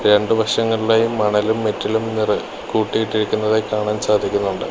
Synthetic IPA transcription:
ɾe̞ɳɖɨʋɐʂɐŋːɐɭiɭaːjumːɐɳɐlumːetːilumnirɨ | kuːʈːijiʈːiɾikʲːunːɐðekːaːɳaːnsaːd̪ʱikʲːunːuɳɖɨ

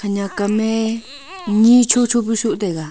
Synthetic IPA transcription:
kʰaɲãkamẽ | ɲĩt͡ʃʰot͡ʃʰopiʃuʔt̪eka

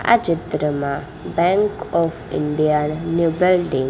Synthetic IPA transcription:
a̰d͡ʒit̪ɾəma | bɛ̃ŋkɔfḭɳɖijanːubilɖiŋ

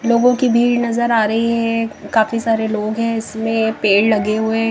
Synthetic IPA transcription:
loːɡõkibʱiːɽnɐzəɾaːɾɐɦiɦɛ̃kaːfisaːɾeloːɡɦɛ̃ɪsmẽpeːɽlɐɡeɦʊe

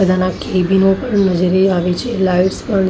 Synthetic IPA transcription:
əd̪ʱanakebinopəɳnəd͡ʒɾiaʋit͡ʃʰelajʋspəɳ

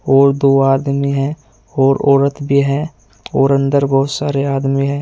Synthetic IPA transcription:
ɔːɾd̪oːaːd̪miɦɛː | ɔːɾɔːɾət̪bʱiɦɛ | ɔːɾə̃nd̪əɾbɔːt̪saːɾeaːd̪miɦɛ̃ː

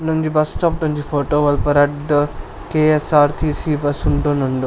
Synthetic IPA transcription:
noɲd͡ʒibɐst͡ʃɐp̚ʈoɲd͡ʒifʰoːʈoːʋɐlpɐɾɐɖ | keːesaːɾt̪ʰiːsiːbɐsuɳʈoːnoɳɖu

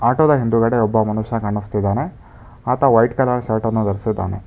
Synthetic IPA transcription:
aːʈod̪ɐɦind̪uɡɐɽeɔbːɐmɐnuʃɐɐkɐɳːust̪id̪aːne̞ | aːt̪ɐʋɐjʈkɐlaːnɐʃaːʈɐnːud̪ɐɾsid̪ːa̰ːne

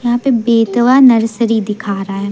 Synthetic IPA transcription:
jɐɦãːpebeːt̪ʋanɐɾsəɾid̪ɪkʰaːɾaɦɛː

